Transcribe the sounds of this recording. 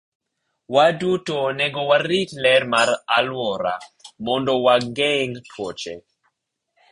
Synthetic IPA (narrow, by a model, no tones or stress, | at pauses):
wadutonɛɡɔwaɾitlɛrmaɾalwɔɾa̰mɔndɔwaɡɛŋtʰwot͡ʃɛ